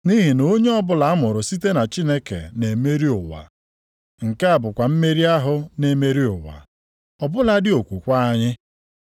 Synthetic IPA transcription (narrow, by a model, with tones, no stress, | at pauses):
ni˦ɦi˨no˨˦ɲe˦ɔ˦bʊ˦la˨a˦mʊ˨ɾʊ˨si˦te˦na˨t͡ʃi˦ne˦kḛ˨ne˨me˦ɾi˦ʊ˨wa̰˨ | ŋ̩˨ka˦a˨bʊ˨kʷa˨m̩˦me˦ɾi˦a˦ɦʊ˦ne˦me˦ɾi˦ʊ˨wa̰˨ | ɔ˨bʊ˦la˦dɪ˦o˨kʷu˨kʷa˦a˦ɲɪ˦